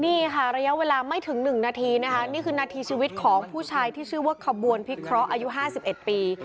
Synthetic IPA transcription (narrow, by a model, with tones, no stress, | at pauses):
niː˥˩kʰa˥˩ɾa˧ja˦˥ʔweː˧laː˧ma˥˩jt̪ʰɯ˩˦ŋnɯ˨˩ŋnaː˧t̪ʰiː˧na˦˥kʰa˦˥niː˥˩kʰɯː˧naː˧t̪ʰiː˧t͡ɕʰiː˧wi˦˥t̪̚kʰɔː˩˦ŋpʰuː˥˩t͡ɕʰaː˧jt̪ʰiː˥˩ɯː˥˩wuː˥˩əkʰːa˧bu˧ənpʰi˦˥kʰɾɔ˦˥ʔaː˧ju˦˥ɦaː˥˩si˨˩p̚ʔe˨˩t̪̚piː˧